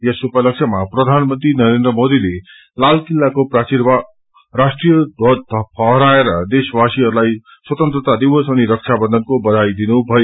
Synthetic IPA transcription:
jʌsupʌlʌksʰʌmaprʌd̪ʱanmʌnt̪rinʌɾend̪ɾʌmod̪ile | lalkilːakoprasiɾba | ɾasʈrijʌbʌd̪̚t̪ʌpʰʌɦɾaeɾʌd̪eswasiɦʌɾulaj | swʌt̪ʌnt̪rʌt̪ad̪ibʌsʌniɾʌk̚t͡ʃʰabʌnd̪ʱʌnkobʌd̪ʱajd̪inubʱʌjo

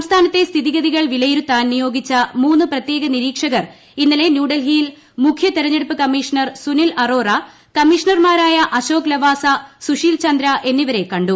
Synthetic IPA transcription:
sɐmst̪ʰaːnɐt̪ːe̞st̪ʰiðiɣɐðiɣɐɭʋilɐjiɾut̪ːaːnnijo̞ːɡit͡ɕːɐmuːnːɨprɐt̪je̞ːɡɐniɾiːkʂɐɣɐr | inːɐle̞njuːɖɐlɦiːl | mukʰjɐt̪eɾɐɲːeɽupːɨkɐmːiːʂɐɳɐrsunilɐro̞ːrɐ | kɐmːiːʂɐɳɐrmaːɾaːjɐʔɐɕo̞ːklɐʋaːsɐsuʂiːlt͡ɕɐnd̪ɾɐʔe̞nːiʋɐɾe̞kːɐɳɖu

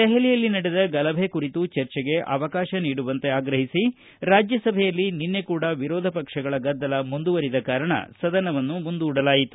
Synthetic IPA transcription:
d̪ɛɦɛlijɐlːinɐɽed̪ɐɡɐlɐbʱekuɾit̪ut͡ʃɐɾt͡ʃɛɡe̞ʔɐ̰ʋɐkaːʃɐniːɽuʋɐnt̪e̞aːɡɾɐɦisi | ɾaːd͡ʒjɐsɐbʱɛjɐlːininːe̞kuːɽɐʋiɾɔːd̪ʱɐpɐkʂɐɡɐɭɐɡɐd̪ːɐlɐmund̪uʋɐɾid̪ɐkaːɾɐɳɐ̰sɐd̪ɐnɐʋɐnːumund̪uːɽɐlaːjit̪u̥

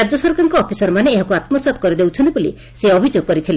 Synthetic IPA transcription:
ad͡ʒɔsɔɾkaɾɔŋkɔːpʰisɔɾɔmaneeɦakuat̪mɔsat̪̚kɔɾid̪ewt͡ʃʰɔnt̪ibulḭ | seɔbʱid͡ʒoɡ̚kɔɾit̪ʰile

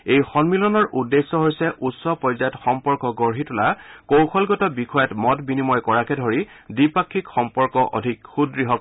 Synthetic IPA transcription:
ejxɔnmilɔnɔɹʔudːesːɔɦojsɛʔutsɔpɹɔjzajɔtxɔmpɔɹkɔɡɔɹɦitʊlakowkʰɔlɡɔtɔbikʰɔjatmɔtbinimɔjkɔɹakɛdʱoɹi | dipakʰːikxɔmpɔɹkɔʔo̰dʱikxudɹiɦɔk

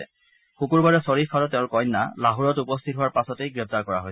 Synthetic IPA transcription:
ɛ̰ | xukuɹbaɹɛsɔɹifʰalɔt̚ːɛʊ̃nkɔjnːa̰laɦuɹɔtupɔstʰitɦʊwaɹpasɔtejɡɹɛp̚taɹkɔɹa̰ɦoj

